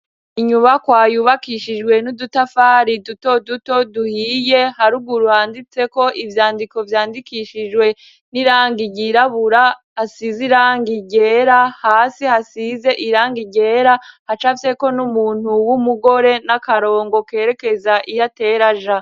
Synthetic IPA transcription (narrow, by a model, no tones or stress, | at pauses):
iɲuβakwaːjuːβakiʃid͡ʒɡwe̞nudutafaːɾiduto̞duto̞duhiːje̞haɾuɡuɾuhaːndit͡se̞ko̞ʔivjaːndiko̞vjaːndikiʃid͡ʒwe̞ | niɾaːŋɡiɟiɾaβuɾaː | siziɾaːŋɡiɟe̞ɾahaːsihasize̞ʔiɾaːŋɡiɟe̞ɾahat͡ʃafse̞ko̞numuːn̥huwumuɡo̞ɾe̞nakaɾo̞ːŋɡo̞ke̞ːɾe̞ke̞zaʔijate̞ɾaʒa